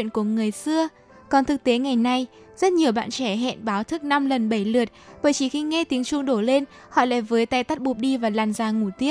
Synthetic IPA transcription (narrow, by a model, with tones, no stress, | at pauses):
nku˧˩əŋɨ˨˩əjsɨ˧ə | kɔ˨˩nt̪ʰɨ˨˩k̚t̪e˨˦ŋa˨˩jna˧j | zə˦˥t̚ɲi˨˩əwɓa̰ː˧˨nt͡ɕɛ˧˩ɦɛ̰˧˨nɓaː˨˦wt̪ʰɨ˦˥k̚na˧mlə˨˩nɓə˧˩jlɨ˨˩ət̚ɓəː˧˩jt͡ɕi˧˩xi˧ŋɛ˧t̪i˨˦əŋt͡ɕʊ˧ŋ͡mɗo˧˩le˧n | hɔ̰˧˨la̰ː˧˩jvəː˨˦jt̪aː˧jt̪a˦˥t̚ɓu˨˩p̚ɗi˧vaː˨˩laː˨˩nzaː˨˧˩ŋu˧˩t̪i˦˥ə